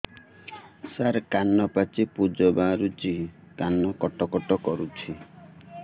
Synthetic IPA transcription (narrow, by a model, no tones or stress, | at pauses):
saɾkanːɔpat͡ʃipud͡ʒɔbaɾut͡ʃi | kanːɔkɔʈɔkɔʈɔkɔɾut͡ʃʰi